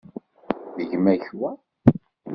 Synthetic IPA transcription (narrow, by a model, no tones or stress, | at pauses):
ðəʝmæçwæ